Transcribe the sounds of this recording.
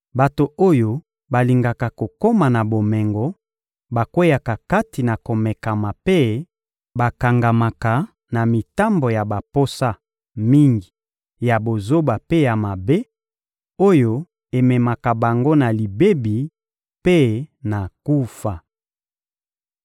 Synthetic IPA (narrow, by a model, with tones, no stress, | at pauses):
ba˨to˨o˦jo˦ | ba˨li˨ŋɡa˨ka˨ko˨ko˦ma˨na˨bo˨mɛ˨ŋɡɔ˨˦ | ba˨kwo˦ja˨ka˨ka˦ti˨na˨ko˨mɛ˨ka˨ma˨pe˦ | ba˨ka˨ŋɡa˨ma˨ka˨ | na˨mi˨ta˦mbo˨ja˨ba˨po˦sa˦ | mi˦ŋɡi˨ | ja˨bo˨zo˦ba˨pe˦ja˨ma˨be˦ | o˦jo˦ | e˨mɛ˨ma˨ka˨ba˨ŋɡo˦na˨li˨be˦bi˨ | pe˦na˨ku˦fa˨